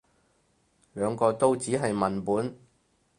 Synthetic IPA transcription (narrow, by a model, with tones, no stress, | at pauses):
lœː˨˧ŋkɔː˧t̪o˥wt͡siː˨˥ɦɐ˨jmɐ˨npuː˨˥n